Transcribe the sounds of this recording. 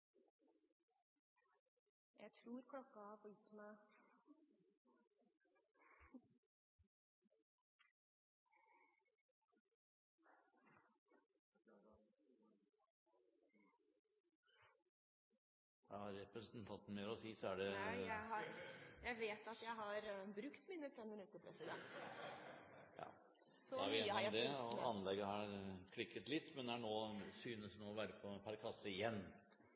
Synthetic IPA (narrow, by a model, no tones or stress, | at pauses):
jæ̰ɪt̪ʰɾuːɾkʰlɔkːɑhɑɾfɔjɪt̪ːmæɪ | jɑhɑɾːɛpɾɛsənt̪ʰɑnt̪nmeːɾɔsiːsɔæɖɛjæɪɦɑɾjæɪʋeːt̪ɑt̪jæɪɦɑɾbɾʉkt̪miːnəfɾɛmmɪnʉt̪ːəpʰɾɛsɪd̪ɛnt̪ | jɑ̰ː | sɔæɾeːnɪd̪ɛɔɑ̰nːlɛɡəhɑɾkʰɽɪkːət̪lɪt̪ːmɛnd̪ɛæɳoːsyːnəsnoːɔʋæːɾəpʰɔpʰæɾkʰɑsːəɪjɛnː